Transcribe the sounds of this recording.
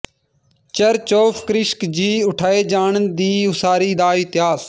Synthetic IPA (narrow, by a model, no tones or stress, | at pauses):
t͡ʃəɾt͡ʃoːfʰkɾɪʃkd͡ʒiːʊʈʰaːeːd͡ʒaːɳd̪iːʊsaːɾiːd̪aːit̪ɪɦaːs